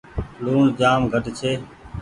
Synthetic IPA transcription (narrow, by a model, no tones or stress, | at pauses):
luːɳd͡ʒaːmɡʱəʈt͡ʃʰeː